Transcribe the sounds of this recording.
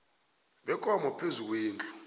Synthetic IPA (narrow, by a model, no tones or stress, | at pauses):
ɓɛkʼɔmɔpʰezuk̬ʼweːnd͡ɮʼu̥